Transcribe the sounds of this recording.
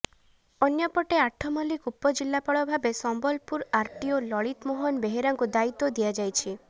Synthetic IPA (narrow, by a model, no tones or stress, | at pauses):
ɔnjɔpɔʈeaʈʰɔmɔlikupːɔd͡ʒilːapɔɭɔbʱabesɔmbɔlpuɾaɾʈ̪iolɔɭit̪moɦɔnbeɦeɾaŋkud̪ait̪ːod̪ijad͡ʒajt͡ʃʰi